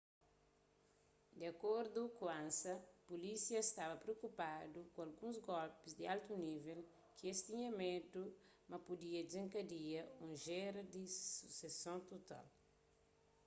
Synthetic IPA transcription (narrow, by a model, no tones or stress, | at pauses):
d̪eɐkoɾd̪ukuãnsɐpulisiɐst̪avɐpɾeokupad̪ukũɐlɡũzɡɔlpizd̪ialt̪univel | kiest̪ĩɲɐmedu | mɐpud̪iɐd͡ʒd͡ʒzĩŋkɐd̪iɐũʒeɾɐd̪isu̥sesõt̪ot̪a̰l